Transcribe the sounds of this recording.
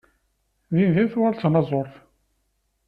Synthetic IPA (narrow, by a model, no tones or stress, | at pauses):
ðinðinθwaɾt͡sːnɑzˤoɾˤθ